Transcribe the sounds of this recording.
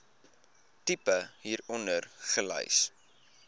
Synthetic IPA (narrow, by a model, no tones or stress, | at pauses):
tipəɦiːɾɔndərχələ̰js